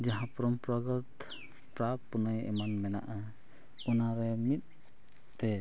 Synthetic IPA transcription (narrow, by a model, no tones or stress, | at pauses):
d͡ʒaɦãpɔɾɔmpɾɔɡɔt̪ | pɾapunəjɛ̰manmɛna̰ʔə | unaɾɛmit̪̚ | t̪ɛ